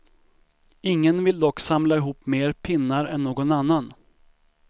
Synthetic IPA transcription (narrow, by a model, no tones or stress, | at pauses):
ɪŋːənvɪld̪ɔkːsamlaɪɦuːpːmeːɾpʰɪnːaɾɛnːoːɡɔnanːan